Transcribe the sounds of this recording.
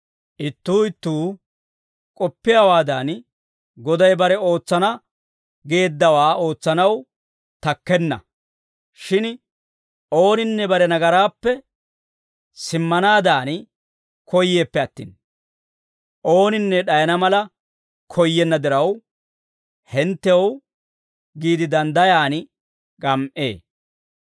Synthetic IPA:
ʔɪt̪ːuːɪt̪ːuː | kʼɔpːɪjawaːd̪aːn | ɡɔd̪ɐjbɐɾɛo̞ːt͡sːɐnɐ | ɡe̞ːd̪ːɐwaːo̞ːt͡sːɐnɐw | t̪ɐkːɛnːɐ̰ | ʃɪn | o̞ːnɪnːɛbɐɾɛnɐɡɐɾaːpːɛ | sɪmːɐnaːd̪aːn | kʰɔjːe̞ːpːɛɐt̪ːḭːn | ʔo̞ːnɪnːɛɗɐjɐnɐmɐlɐ | kʰɔjːɛnːɐd̪ɪɾɐw | hɛnt̪ːɛw | ɡiːd̪ɪd̪ɐnd̪ɐjaːn | kʼɐmʔeː

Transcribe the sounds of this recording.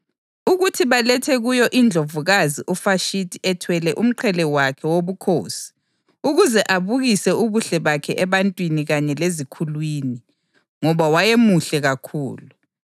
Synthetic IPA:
uɣutʰiβalɛtʰɛɣujɔʔind͡ɮʱovuɣaziʔufaʃitʰʼiɛtʰwɛlɛʔum̩ǃʰɛlɛwakʰɛwoβukʰo̰ːsi̥ | uɣuzɛʔaβuɣisɛuβuɬɛβakʰɛʔɛβantʼwiniɣaɲɛlezikʰulwiːni | ŋɔβawajemuɬɛɣakʰṵːlu

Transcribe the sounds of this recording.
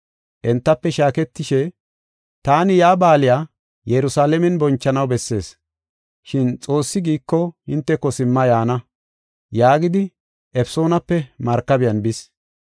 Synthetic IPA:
ʔɛnt̪ːɐpːɛʃaːkɛt̪ːɪʃɛ | t̪aːnɪjaːbaːlɪjaː | jɛɾʊsaːlɛmɛnbɔnt͡ʃːɐnɐwbɛsːe̞̰ːs | ʃɪnt͡sʼo̞ːsːɪɡiːkːɔhɪnt̪ːɛkɔsɪmːɐjaːnɐ | jaːɡɪd̪ɪ | ʔɛfso̞ːnɐpːɛmɐɾkːɐbɪjɐnbɪs

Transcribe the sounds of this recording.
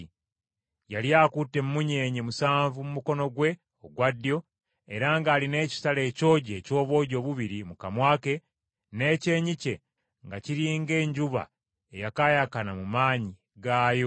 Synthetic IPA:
jaljaːkutːe̞mumuɲe̞ːɲemusaːɱvumumuko̞no̞ɡwe̞ | oɡwadjo̞ | eɾaːŋɡaːline̞ːci̥sale̞ːco̞ːɟe̞ːco̞ːβo̞ːɟo̞ːβuβiɾimukamwaːke̞ | ne̞ːce̞ːɲice̞ | ŋɡaciɾiːŋɡe̞ːɲɟuβa̰ | ejakaːjakanamumaːɲi | ɡaːjo

